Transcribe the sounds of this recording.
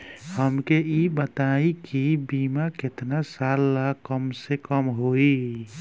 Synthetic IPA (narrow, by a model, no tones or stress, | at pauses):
həmkeibət̪aikibiːmakɪt̪nasalːakəmsekəmɦoi